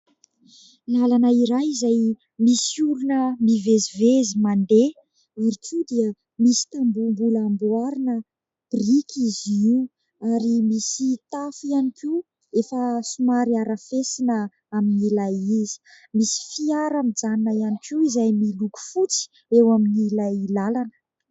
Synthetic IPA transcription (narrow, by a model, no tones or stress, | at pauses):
lalanəiɾajizaj | misuɾunəmivezivezimand̪e | aɾikʰud̪iə | misi̥t̪ambumbulambuaɾinə | b̥rikʰiziu | aɾimisit̪afianiki | efəsumaɾiaɾəfesinə | aminilajizi̥ | misi̥fiaɾamid͡zaninəjanikiizajmiluku̥fut͡si̥ | ewaminilailalanə̥